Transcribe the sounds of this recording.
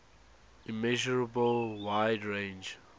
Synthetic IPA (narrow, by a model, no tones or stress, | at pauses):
imɛʒɔɹəbəlwaɪdɹẽnd͡ʒ